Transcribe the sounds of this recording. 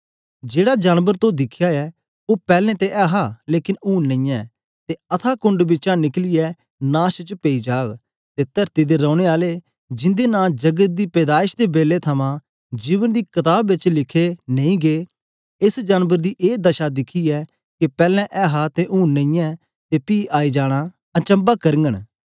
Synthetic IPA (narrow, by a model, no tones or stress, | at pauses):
d͡ʒeːɽaːd͡ʒaːnbəɾt̪õd̪ɪkʰjaːɛː | oːpɛːlɛ̃ːt̪eʔɛːɦaːleːkɪnuːnːə̃ĩːjɛ̃ː | t̪eːət̪ʰaːkʊ̃ɳɖbɪt͡ʃãːnɪklɪjɛː | naːʃt͡ʃpeiːd͡ʒaːɡ | t̪eːt̪əɾt̪id̪eːɾɔ̃ːʊɽ̃eːaːleː | d͡ʒɪ̃nd̪eːnãːd͡ʒəɡət̪̚d̪iːpɛːd̪aːɪʃd̪eːbeːleːt̪ʰəmãː | d͡ʒiːʋənd̪iːkɪt̪aːbːɪt͡ʃlɪkʰenəĩːɡeː | ɪsd͡ʒaːnʋəɾd̪iːʔeːd̪əʃaːd̪ɪkʰiːɛː | kɪpɛːlɛ̃ːʔɛːɦaːt̪eʔuːnːəĩjɛ̃ː | t̪eːpiːʔaːiːd͡ʒaːɽ̃aː | ət͡ʃə̃mbaːkəɾəŋɡən